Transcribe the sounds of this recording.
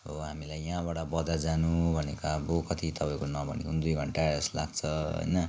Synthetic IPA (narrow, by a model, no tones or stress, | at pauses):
ʌɦamilajãbaɽabʌd͡zad͡zanubʱʌnekabokʌt̪ʰit̪ʌpaĩkonʌbʱʌ̰nḭkʰund̪ujɡʱʌɳʈaʌslaɡ̚t͡sʰʌɦʌ̰jnʌ